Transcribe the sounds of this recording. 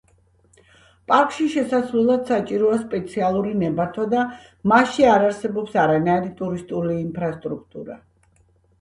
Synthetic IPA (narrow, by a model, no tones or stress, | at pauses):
pʼaɾkʼʃiʃɛsasɾɛlˠad̪̥sat͡ʃʼiɾɔaspʼɛt̪sʰialˠuɾinɛbaɾt̪ʰwad̪a | maʃiaɾaɾsɛbɔpsaɾanaiɾit̪ʼuɾist̪ʼuliːmpʰɾast̪ʼɾuk̚ʰt̪ʼuɾa̰